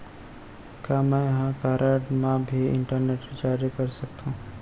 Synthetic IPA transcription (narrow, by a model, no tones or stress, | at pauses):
kjaːmɛ̃ːjɐɦãkaːɾaːʈmãbʱiɪ̰̃ɳʈəɾneːʈid͡ʒaːɾikɐɾsɐk̚t̪ũː